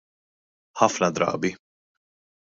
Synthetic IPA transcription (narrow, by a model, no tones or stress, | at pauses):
ħɐfnɐd̪ɾɐ̰ːbi